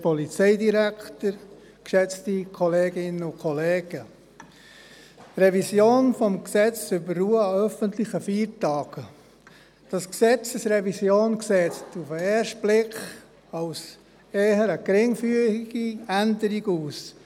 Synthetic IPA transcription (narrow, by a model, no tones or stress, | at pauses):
pɔlit͡sɛɪdiɾæktəɾ | kʃɛt͡stikʰɔleːɡɪnəʊkʰɔleːɡ̥ə | rɛvisjoːnfɔmksɛt͡sʏbərːuəœfəntlɪχəfiːɾtɑːɡ̥ə | d̥ɑsksɛt͡səsɾɛvisjoːnksɛːt͡stufəeːɾʃtb̥lɪkχ | ɑʊs | eːɦəɾəkɾɪŋfyəiɡ̥iændəɾiɡuːs